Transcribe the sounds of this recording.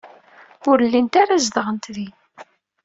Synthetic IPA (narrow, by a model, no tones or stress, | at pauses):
ʊɾlːint̪aɾazðəʁənt̪ði